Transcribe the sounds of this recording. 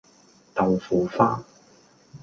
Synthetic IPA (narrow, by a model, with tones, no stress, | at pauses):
t̪ɐ˨wfuː˨˩faː˥